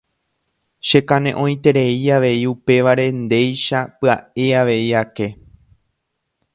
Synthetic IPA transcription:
ʃe̞kãnẽ̞ʔõ̞j̃t̪e̞ɾe̞iaʋe̞iupe̞ʋaɾe̞nd̪e̞jʃapɨae̞aʋe̞iake̞

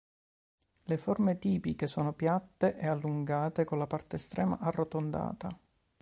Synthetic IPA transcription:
leformet̪iːpikesoːnopjat̪ːeʔɛalːuŋɡaːt̪ekolapart̪eːst̪ɾɛːma̰ʔarːot̪ond̪a̰ːt̪a

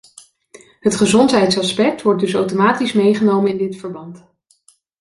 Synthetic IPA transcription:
ɦətχəzɔntɦɛjtsɑspɛk̚tʋɔɹt̚dɵsowtomaːtismejχənowmənɪndɪtfəɹbɑnt

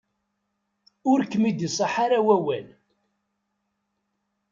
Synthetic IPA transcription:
ʊɾkːmid̪isˤɑħaɾawæwæ̰l

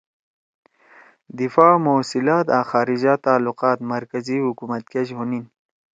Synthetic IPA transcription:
d̪ifaːmoːsilaːt̪aːxaːɾid͡ʑaːt̪aːluqaːt̪mɐɾkɐzihukumɐt̪̚ked͡ʑɦunin

